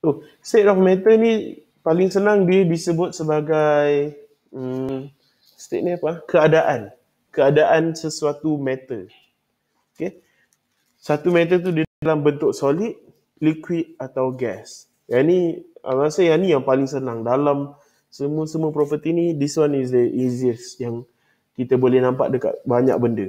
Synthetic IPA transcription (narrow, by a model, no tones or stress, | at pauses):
t̪o | st̪ɛt̪̚ɔfmɛ̃t̪ənĩ | palɪŋsənaŋdiəbisəbʊt̪̚səbaɡaj | ə | st̪ḛʔ̚niapakəadaʔan | kəadaʔansəsuat̪umɛt̪ə | oke | sat̪umɛt̪̬ət̪̬ulambənt̪ʊksolit̪̚ | likwit̪̚at̪awɡɛs | jania̰asajanijaŋpalɪŋsənaŋdalam | səmuəsəmũəpɾopət̪inidiswanis̬dəʔiziəsjaŋ | kit̪abolɛhnãmpa̰ʔ̚dəka̰ʔ̪̚baɲa̰k̚bəndə